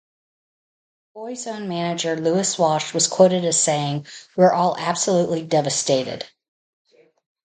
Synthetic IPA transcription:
b̥ɔɪzõʊ̃nmænɨd͡ʒə˞luɨswɑʃwʌz̥kʰw̥oʊɾɨɾɨz̥seɪɪ̃ŋwə˞ʔɔlˠæb̥səluʔlidɛvɨsteɪɾɪ̰d̥

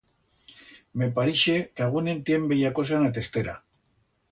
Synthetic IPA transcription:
me̞paɾiʃekeaɣunẽnt̪je̞mbeʝakos̬anat̪̬e̞st̪eɾa̰

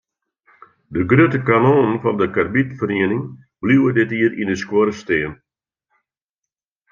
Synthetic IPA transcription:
dəɡrøtəkanoːnənfɔndəkarbitfəriənɪŋ | b̥liwədɪtiərindəskwoɾəsteːən

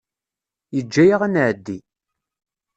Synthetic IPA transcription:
jəd͡ʒːæjaʁænʕd̪ːi

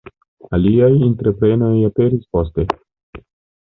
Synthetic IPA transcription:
aliajintɾe̞pɾe̞no̞jape̞ɾispo̞ste̞

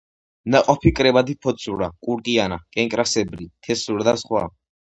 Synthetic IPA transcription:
naqʼɔpʰikʼɾɛbad̪ipʰɔt̪sʰʼuɾakʼuɾkʼianakʼɛŋkʼɾasɛbɾit̪ʰɛsuɾad̪asχwa̰

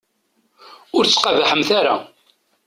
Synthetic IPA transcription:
ʊɾt͡sːqɑvaħəmθaɾa̰

